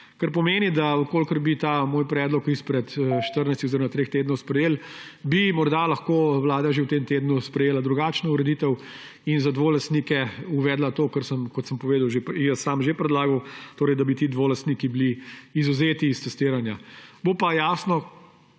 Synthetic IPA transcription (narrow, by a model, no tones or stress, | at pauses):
kɐɾpɔmeːnid̪aukoːlkəɾbit̪aːmoːjpɾɛːd̪lɔkispɾɛt̪ʃt̪əɾnɛjst̪ixoziɾomat̪ɾext̪eːd̪nɔwspɾɛjeːlbimɔɾd̪alɐxkowlaːd̪aʒewt̪emt̪eːd̪nuspɾɛjeːlad̪ɾuɡaːt͡ʃnɔuɾɛd̪iːt̪ɛw | inzad̪ʋoːlɐst̪nikɛuʋɛːd̪lat̪oːkəɾsəmkɔt̪səmpɔʋeːd̪ɐwʒepjɛsamʒepɾɛd̪laːɡɐwt̪oːɾɛjd̪ɐbit̪id̪ʋolɐst̪nikibliːzuzeːt̪iːst̪ɛst̪iːɾanjabopajaːsnɔ